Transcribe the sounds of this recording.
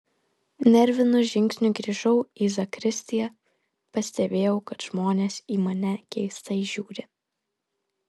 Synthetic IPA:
nʲɛɾʲʋʲɪnʊʒʲɪŋʲksʲnʲʊɡɾʲiʒɐʊiːzɐkɾʲɪsʲt̪ʲɪjɛ | pɐsʲt̪ʲɛbʲeːjɛʊkɐt̪ʒ̥moːnʲeːsiːmɐnʲɛkʲɛɪst̪ɐiʒʲuːɾʲɪ

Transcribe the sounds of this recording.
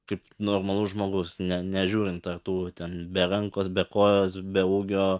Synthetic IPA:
kɐɪpnoːrmɐlˠʊsʒmoːɡʊsnʲɛnʲɛʒʲuːɾʲɪnt̪t̪ɐrt̪uːt̪ʲɛnbʲɛɾɐŋkoːsbʲɛkoːjoːsbʲɛuːɡʲoː

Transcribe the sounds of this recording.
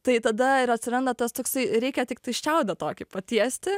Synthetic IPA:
t̪ɐɪt̪ɐd̪ɐɪɾɐt̪ʲsʲɪɾɐnd̪ɐt̪ɐst̪oːksɐɪɾʲɛɪkʲɛt̪ʲɪk̚t̪ɐɪʃʲt͡ʃʲɛʊd̪ʲɐt̪oːkʲɪpɐt̪ʲiɛsʲt̪ʲɪ

